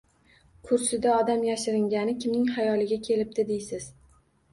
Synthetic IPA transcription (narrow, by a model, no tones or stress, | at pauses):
kʰʊɾsɪd̪aɒd̪amjaʃɪɾɪŋɡʲanɪkʲɪmnɪŋhajɒlɪɡʲakʲʰe̞lɪp̚d̪ɪd̪ejsɪz̥